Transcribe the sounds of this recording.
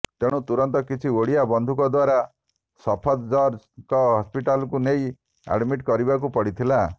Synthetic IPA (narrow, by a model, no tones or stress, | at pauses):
t̪eɽ̃ũt̪uɾɔnt̪ɔkit͡ʃʰioɽiabɔnd̪ʱukɔd̪waɾa | sɔpʰɔd̪d͡ʒɔɾd͡ʒ | kɔɦɔspiʈalɔkunej | a̰ɽmiʈkɔɾibak̬upɔɽit̪ʰila